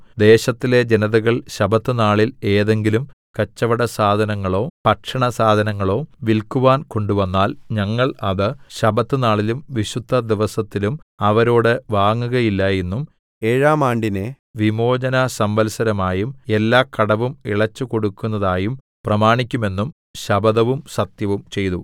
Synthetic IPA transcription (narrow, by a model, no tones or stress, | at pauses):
d̪e̞ːɕɐt̪ːile̞d͡ʑenɐðɐɣɐɭɕɐbɐt̪ːɨnaːɭile̞ːðe̞ŋɡilum | kɐt͡ɕːɐʋɐɽɐsaːd̪ʱɐnɐŋːɐɭo̞ːpɐʈʂɐɳɐsaːd̪ʱɐnɐŋːɐɭo̞ːʋilkuʋaːnko̞ɳɖuʋɐnːaːlɲɐŋːɐɭɐðɨɕɐbɐt̪ːɨnaːɭilumʋiɕud̪ʱːɐd̪iʋɐsɐt̪ːilumɐʋɐɾo̞ːɽɨʋaːŋːuɣɐjilːɐjenːum | eːɻaːmaːɳɖine | ʋimo̞ːd͡ʑɐnɐsɐmʋɐlsɐɾɐmaːjume̞lːaːkɐɽɐʋumiɭɐt͡ɕːuko̞ɽukːunːɐðaːjum | prɐmaːɳikʲːume̞nːum | ɕɐbɐðɐʋumsɐt̪jɐʋumt͡ɕe̞jt̪u